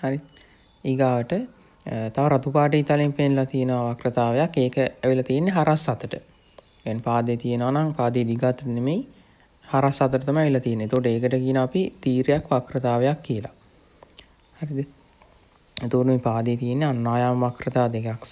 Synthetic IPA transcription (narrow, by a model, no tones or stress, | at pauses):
haɾi | iɡaːʋəʈə | t̪aʋaɾat̪upaːʈ̬iːt̪alempenlat̪ijenəʋaʋakrət̪aːʋejakːeːkəæʋilɐt̪ijenːeɦaɾasːat̪əʈə | kɛnpaːd̪ejt̪ijenəʋanaŋpaːd̪ejːd̪iɡat̪ːnemej | haɾasːat̪əʈət̪amajʋilɐt̪ijenːet̪ukoʈeːkəʈəkijənaːpit̪iːɾejakʋakrət̪aːʋejakːijəla̰ | haɾid̪ | et̪ukoʈəmeːpaːd̪ejːt̪ijenːeanːaːjaːməʋakrət̪aːd̪ekak